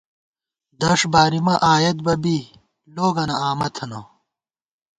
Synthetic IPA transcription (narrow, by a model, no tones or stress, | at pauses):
d̪ɐʂbaːɾimɐʔaːjɐt̪̚bɐbi | loːɡɐnɐaːmɐt̪ʰɐno